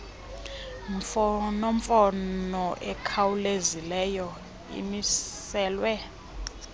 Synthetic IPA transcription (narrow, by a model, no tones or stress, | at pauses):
ɱfɔnɔɱfɔnnɔʔɛkʰawulezilɛjɔ | ḭmisɛːlwɛ